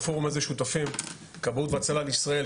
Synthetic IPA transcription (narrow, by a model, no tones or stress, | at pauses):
foʁumezeʃut̪afim | kabut̪veat͡salalisʁae